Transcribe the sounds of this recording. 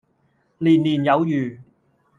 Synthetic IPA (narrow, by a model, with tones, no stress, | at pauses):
liː˨˩nliː˨˩njɐ˨˧wjyː˨˩